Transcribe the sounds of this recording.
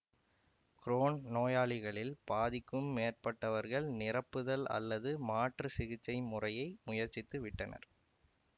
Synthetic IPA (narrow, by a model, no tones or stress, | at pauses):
kɾoːnnoːjaːɭɪɣɐɭɪlbaːðɪkːɯmːeːrpɐʈːɐʋɐɾɣɐɭnɪrɐpːɯðɐlɐ̰lːɐðɯmaːʈrɯsɪɣɪt͡ʃːɐɪmʊrɐjɐɪmʊjɐɾt͡ʃːɪt̪ːɯʋɪʈːɐnɐ̰ɾ